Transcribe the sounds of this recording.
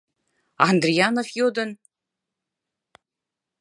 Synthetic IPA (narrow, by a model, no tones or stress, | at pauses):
and̪rijanofjod̪ɨn